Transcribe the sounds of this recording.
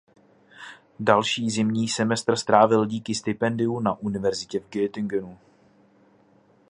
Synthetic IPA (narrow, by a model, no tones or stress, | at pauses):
dalʃiːzɪmɲiːsɛmɛst̪r̩st̪ɾaːvɪlɟiːkɪst̪ɪpɛndɪunaʔunɪvɛɾzɪcɛvɡɛːt̪ɪŋɡɛnu